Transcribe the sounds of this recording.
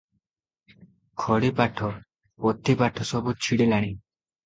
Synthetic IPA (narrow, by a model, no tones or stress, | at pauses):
kʰɔɽipaʈʰɔ | pɔt̪ʰipaʈʰɔsɔbut͡ʃʰiɽelaɽ̃i